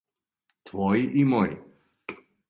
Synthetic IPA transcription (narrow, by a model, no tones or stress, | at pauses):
t̪vɔiʔimɔjḭ